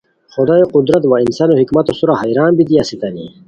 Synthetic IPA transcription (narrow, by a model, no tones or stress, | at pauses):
χod̪ɑjoqud̪ɾat̪wainsɑnohikmɐt̪osuɾahajɾaːnbid̪iasit̪anḭ